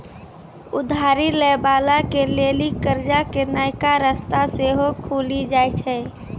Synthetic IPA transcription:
ʊd̪ʱaːɾilebaːlakeleːlikəɾd͡ʒakenaːɪkaɾəst̪aseɦokʰuːlid͡ʒaːjt͡ʃʰɛ

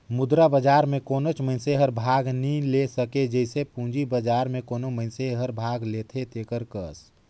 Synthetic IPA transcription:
mʊd̪ɾabəd͡ʒaːɾmẽkoːnot͡ʃmə̃ɪ̃nseɦəɾbʱaːɡnilesəked͡ʒəɪsepũːd͡ʒibəd͡ʒaːɾmẽkoːnomə̃ɪnseɦəɾbʱaːɡleːt̪ʰet̪eːkəɾkəs

